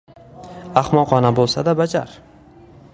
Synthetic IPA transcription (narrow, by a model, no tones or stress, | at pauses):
aχmɒqʰɒnabolˠsa̰d̪abad͡ʒa̰ɾ